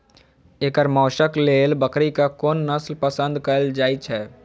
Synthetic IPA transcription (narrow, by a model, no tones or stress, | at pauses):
eːkəɾmɔːʃəkleːlbəkɾikakoːnːəslpəsə̃nd̪kəld͡ʒaːit͡ʃʰɛː